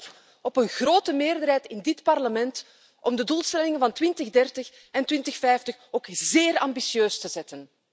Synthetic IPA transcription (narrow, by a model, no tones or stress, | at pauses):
ɔpənɣroːtəmeːrdərɦɛjtɪndɪtpɑrləmɛnt | ʔɔmdəduːlˠstɛlɪŋənvɑntwɪntəɣdɛrtəx | ɛntwɪntəxfɛjftəxoːkzeːrɑ̰mbisjøːstəzɛtən